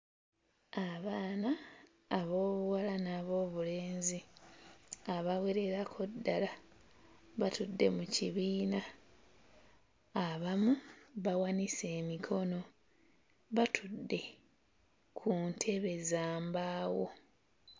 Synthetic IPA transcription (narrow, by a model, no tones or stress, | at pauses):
aβaːnaː | βo̞ːβuwalanaːβo̞ːβule̞ːnzi | aβawe̞ɾe̞ɾakʰodːala | βatudːe̞̰muciβiːna | βamuβawanise̞ːmikʰo̞no̞ | βatʰudːe̞ | kʰuntʰe̞βe̞zaːmbaːwo̞̰